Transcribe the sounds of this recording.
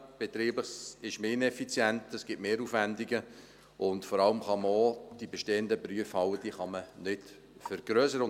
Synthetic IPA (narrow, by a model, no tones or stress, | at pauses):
b̥et̪ɾiːbəsɪʃmeːnɛfit͡sjɛntɛsɡ̥ɪtmeːɾuːfvændiɡə | ʊntfɔɾɑləmχɑməod̥ibɛʃteːəndəpryəfhɑwəd̥iːχɑmənɪd | fəɾɡ̥ɾøːsəɾʊ